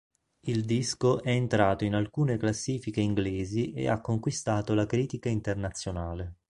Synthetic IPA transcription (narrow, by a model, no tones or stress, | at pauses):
ild̪iskoʔɛent̪ɾaːt̪oinalkuːneklasːiːfikeiŋɡleːziʔḛa̰kːoŋkwist̪aːt̪olakɾiːt̪ikaint̪ernat̪sːjonaːle